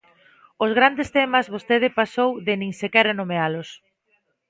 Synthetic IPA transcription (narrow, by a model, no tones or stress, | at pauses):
ʊzɣɾand̪est̪ɛmɐzβost̪eðɪpasowðɪnĩŋsekɛɾanomealʊs